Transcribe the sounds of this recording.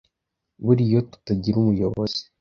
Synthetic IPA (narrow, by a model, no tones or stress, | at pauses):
βuɾijo̞tu̥taɟiɾumujo̞βo̰z̥i̥